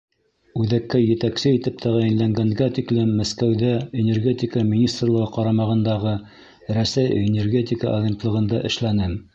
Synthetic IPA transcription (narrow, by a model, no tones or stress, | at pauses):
ʉðækːæjɘ̆t̪æksɘit̪ɘp̚t̪ʰæʁæjɘ̆nlæŋɡæŋɡæt̪iklɘmːæskæwðæenʲerɡʲet̪ʲikəmʲinʲist̪rlˠɤ̆ʁɤqɑɾɑmɑʁɤ̆nd̪ɑʁɤ | ɾæsæjenʲerɡʲe̞t̪ʲɪkə̰ʔɐd̪ʲe̞nt̪lˠɤ̆ʁɤ̆nd̪ɑʔɘ̆ʃlænɘm